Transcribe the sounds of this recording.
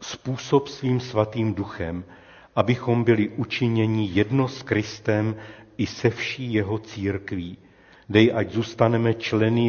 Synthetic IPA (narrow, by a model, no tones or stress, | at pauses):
spuːsopsviːmsvat̪iːmduxɛ̰m | ʔabɪxo̞mbɪlɪʔut͡ʃɪɲɛɲɪjɛdno̞skɾɪst̪ɛmʔɪsɛfʃiːjɛɦo̞t͡siːɾkviː | dɛjʔaɟzuːst̪anɛmɛt͡ʃlɛnɪ